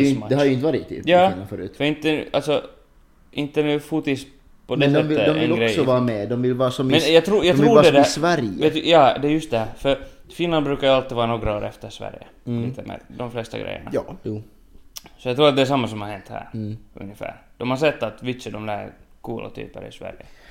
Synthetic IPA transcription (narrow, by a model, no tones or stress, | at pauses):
mad̪ɛhadjəɪnt̪əɑːɾɪt̪ʰːɪ̰jɑːnafœːɾʉ̰ːfœɾɪnt̪əʔalt̪sɔ | ʔɪnt̪ənʉːfut̪ɪs | pʰɔd̪ɛsɛːəd̪ɔvɪlːɔɡɾɛjsɔvɑːɾamɛd̪ɔmvɪlvɑːasɔmmɛnjɑɡt̪ʰɾuːjɑɡ̪ɪluːɖɛd̪ɛsvæɾjveːt̪jɑːd̪ɛːɾjɵst̪̚d̪ɛhæɾfœɾfɪnland̪bɾʉ̟ːkaɾjalt̪ːɪvɑːɾanoːɡɾaoːɾɛft̪əʂvæ̰ɾjə̰ | ɪt̪ʰəmɛ̰d̪d̪ɔmflɛst̪a̰ɡɾʔɛ̰jːə̰ɳa̰ː | sɔjɑɡt̪ɾuːɾat̪̚d̪ɛʂ̬amːasɔmhaɾhɛnt̪hæ̰ːɾɵ̰ŋjəfæ̰ːɾd̪̥ɔmhaɾs̬ɛt̪ːat̪vɪt̪səd̪ɔmd̪ækʰuːlʔa̰t̪ʰy̰ːpəɾɪ̰svæ̰ɾjə